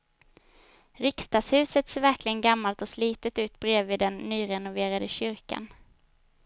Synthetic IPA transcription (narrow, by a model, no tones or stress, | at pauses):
ɾɪkst̪ɑːɡshʉ̟ːsət̪seːvæɾklɪɡənɡamːalt̪ɔsliːt̪ət̪ʉ̟ːt̪̚bɾeːvviːd̪ɛnːyːɾɛnʊveːɾad̪əɕʏɾka̰n